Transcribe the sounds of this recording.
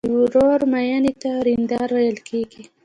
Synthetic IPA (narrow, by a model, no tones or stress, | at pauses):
wɾoɾmajɑnit̪aɾind̪ɑɾwajəlkʰeɡi